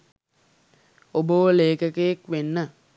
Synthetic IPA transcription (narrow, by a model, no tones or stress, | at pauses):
obəʋəleːkəkejekʋenːə